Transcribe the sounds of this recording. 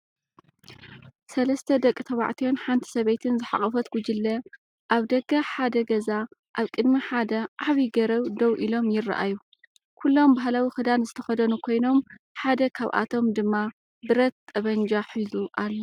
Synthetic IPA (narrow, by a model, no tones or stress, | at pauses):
sɐlɐst̪ʰɐd̪ɐkʼːɨt̪ʰɐβa̰ʕt̪ʰijo̞nħant̪ʰi̥sɐβejt̪ʰɨnzɨħa̰χʼɐfɐt̪ɡ̥ud͡ʒɪlːɐ | ʔaβd̪ɐɡɐħad̪ɐɡɐzaʔaβkʼɨd̪miħad̪ɐʔaβiɡɐɾɐwd̪ɐwʔilo̞mjɪra̰ʔa̰ju | kʰulːo̞mbaɦlawixɨd̪anzɨt̪ʰɐxɐd̪ɐnukʰo̞jno̞m | ħad̪ɐkʰa̰βʔa̰t̪ʰo̞md̪ɨmːa | bɨɾɐt̪ʼːɐβɐnd͡ʒaħizuʔalːɐ